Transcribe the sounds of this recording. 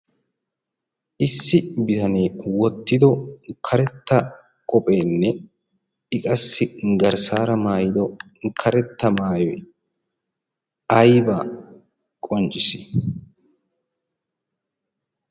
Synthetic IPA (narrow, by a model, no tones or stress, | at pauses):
ʔɪsːɪbɪt̪ɐne̞ːwɔt̪ːɪd̪ɔkʰɐɾɛt̪ːɐ | kʼɔpʼeːnːɛ | ɪkʼɐsːɪɡɐɾsaːɾɐmaːjɪd̪ɔ | kʰɐɾɛt̪ːɐmaːjɔ | ɐjbaː | kʼɔnt͡ʃʼɪsɪ̥